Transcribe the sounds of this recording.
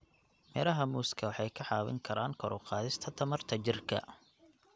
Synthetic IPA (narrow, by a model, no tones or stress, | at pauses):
mɛːɾɐɦɐmuːskʰɐwɑħɑjkʰɐħɑːβɪ̰ŋkʰɐɾaːŋkʰɔɾʊqɑːðɪst̪ʰɐt̪ʰɐmɐrt̪ʰɐt͡ʃɪrkʰɐ̰